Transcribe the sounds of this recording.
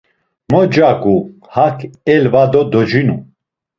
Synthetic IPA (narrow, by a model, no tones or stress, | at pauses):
mɔd͡ʒakʼu | hakʰɛlvad̪ɔd̪ɔd͡ʒinu